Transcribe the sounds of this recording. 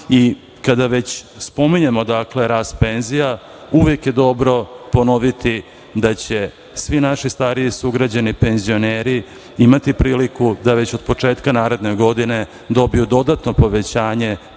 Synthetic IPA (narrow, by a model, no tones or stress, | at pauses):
i | kad̪aʋe̞t͡ɕspo̞miɲemo̞d̪akle̞ɾaːst̪pe̞nzija | uʋjekje̞d̪o̞bɾo̞po̞noʋit̪i | d̪at͡ɕe̞ | sʋinaʃist̪aɾiisuɡɾad͡ʑanipe̞nzio̞neːɾi | imat̪ipɾiːlikud̪aʋe̞t͡ɕo̞d̪̚po̞t͡ʂe̞ːt̪kanaːɾe̞d̪neɡo̞d̪ine̞ | d̪o̞bijud̪o̞d̪at̪no̞po̞ʋe̞t͡ɕaːɲe̞